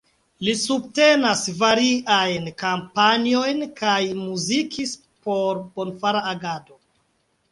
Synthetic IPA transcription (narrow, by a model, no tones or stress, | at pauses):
lisub̚te̞nasvaɾiʔajnkampanio̞jnkajmuzikʰis | po̞ɾbo̞nfaɾaːɡado̞